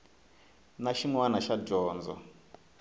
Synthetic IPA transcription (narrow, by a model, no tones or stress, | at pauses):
naʃiŋwanaʃaʒɔːnd͡zɔ̰